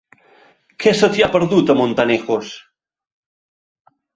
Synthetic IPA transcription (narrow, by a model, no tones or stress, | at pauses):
kʰɛsət̪iapəɾðut̪əmont̪anexos